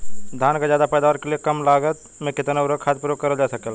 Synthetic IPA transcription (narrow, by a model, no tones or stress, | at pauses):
d̪ʱaːnkazjaːd̪apɛːd̪aːʋəɾkeliekɐmlaːɡət̪ | mẽkɪt̪naɾəkʰaːt̪̚puɾoːkkɐɾəld͡ʒaːsɐkel